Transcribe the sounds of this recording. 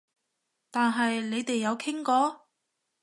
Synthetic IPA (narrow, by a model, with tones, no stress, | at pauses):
t̪aː˨nɦɐ˨jle˨˧jt̪e˨jːɐ˨˧wkʰɪ˥ŋkɔː˨˥